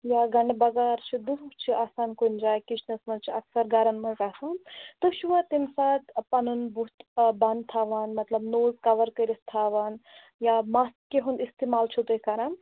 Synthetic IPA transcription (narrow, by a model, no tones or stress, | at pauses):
jaɡɐɳɖebɐɡaːɾt͡ʃʰid̪uɦt͡ʃʰiʔaːsaːnkund͡ʒaːjkit͡ʃʰnɐsmɐt͡ʃʰiɐksɐɾɡaɾɐnmɐzaːsaːnt̪uʃuʋat̪insaːt̪ɐpɐnunbuɦt̪bɐnd̪t̪ʰaːʋanmɐt̪lɐbnoːzkɐʋɐɾkɐɾist̪ʰaːʋan | jamas̚keɦunist̪emaːlt͡ʃʰut̪ukaːɾɐn